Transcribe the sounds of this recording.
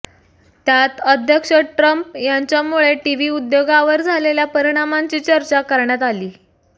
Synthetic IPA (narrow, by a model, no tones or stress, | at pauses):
t̪jat̪əd̪ʱjəkʂəʈɾəmpjaɲt͡ɕjamuɭeʈiʋiːud̪joɡaʋəɾd͡zʱaleljapəɾiɽ̃amaɲt͡ɕiːt͡ɕəɾt͡ɕakəɾɳjat̪aliː